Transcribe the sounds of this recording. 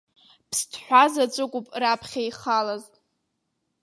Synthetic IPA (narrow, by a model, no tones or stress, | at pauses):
pʰstʰħᶣʷazat͡sʷʼɨkʷʼʊpʼrapʰχʲajχalazʼ